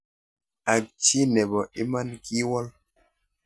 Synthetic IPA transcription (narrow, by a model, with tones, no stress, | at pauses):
a˨k̚t͡ʃi˦nɛ˨bɔ˨ʔi˦ma˦nki˦wɔ˦l